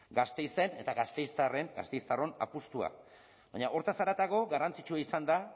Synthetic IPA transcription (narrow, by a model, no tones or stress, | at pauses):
ɡast̪e̞jse̞ne̞t̪aɣast̪e̞jst̪are̞ŋɡa̰st̪ejst̪aro̞na̰pust̪ua̰ | baɲaʔo̞ɾt̪asaɾat̪aɣo̞ɣarant͡sit͡ʃuaisand̪a